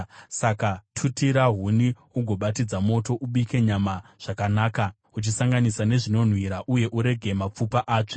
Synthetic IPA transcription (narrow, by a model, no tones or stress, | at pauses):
sakatʰutiɾaɦuni | uɡʱo̞ɓatid͡zamo̞to̞ʔuɓike̞ɲamaʐ̥akanaːka | ut͡ʃisaŋɡanisane̞ʐino̞n̤wiɾaʔuje̞ʔuɾe̞ɡʱe̞map͡fupaʔaːt͡ʂe